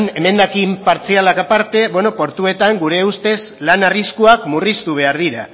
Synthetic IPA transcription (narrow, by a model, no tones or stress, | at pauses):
ne̞me̞nd̪akimpaɾt͡sialakapaɾt̪e̞βwe̞no̞po̞ɾt̪ue̞t̪aŋɡuɾe̞ust̪e̞zlanariskuakmurist̪uβ̞e̞aɾðiɾa